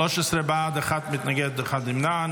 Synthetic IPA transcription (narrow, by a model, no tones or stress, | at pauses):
ɔʃɪsɾɛbaːdɪχatmɪtnaɡɛtdʊχadɪmnaːn